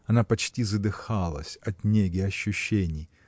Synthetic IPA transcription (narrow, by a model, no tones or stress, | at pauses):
ɐnapɐt͡ɕtʲizəd̪ɨxalˠə̰sʲɐt̪ʲnʲeɡʲɪɐɕːʉɕːenʲɪj